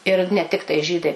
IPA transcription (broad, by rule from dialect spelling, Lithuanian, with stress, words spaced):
ɪr nʲɛ ˈtʲɪktɐɪ ˈʒʲiːdɐɪ